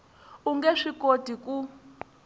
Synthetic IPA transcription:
uŋɡɛʂikod̥ʱiku

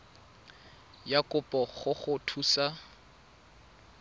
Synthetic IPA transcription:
jakʼʊpʼɔχʊχʊtʰuːsa

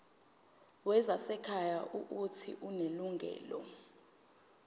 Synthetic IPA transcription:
wɛzasɛkʰajaʔuʔutʰḭʔuneluŋɡʱɛ̰ːlɔ

